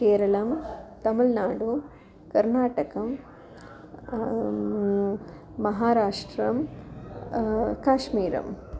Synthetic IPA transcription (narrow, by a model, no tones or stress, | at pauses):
keːɾɐlɐmt̪ɐmɐlnaːɽu | kɐɾnaːʈɐkɐm | ɐɦaːɾaːʂʈɾɐm | kaːʂmiːɾɐ̰m